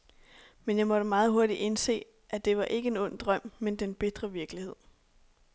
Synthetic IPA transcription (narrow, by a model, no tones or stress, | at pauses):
menjɑ̈ɪmɒ̽ɾ̥əmɑ̈ːð̞̩ˠɦo̝ɐd̥iʔe̝nse̝̰ː | ʔæd̥e̝ʋɑ̈ʔe̝ɡ̥əe̝nɔ̽n̰d̥ʁɶm̰mend̥enb̥e̝d̥ʁɐʋiɐɡ̥lihe̝ð̰ˠ